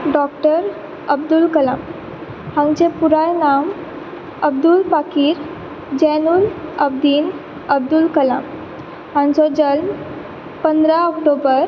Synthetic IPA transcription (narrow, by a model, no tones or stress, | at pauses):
ɖɔkʈəɾ | əb̚d̪ulkəla̰m | hãnt͡ɕẽpuɾajnam | əb̚d̪ulpakiːɾ | d͡ʑɛnuləb̚d̪iːn | əb̚d̪ulkəla̰m | ɦãnt͡sɔd͡ʑəlm | pənd̪ɾaɔkʈobəɾ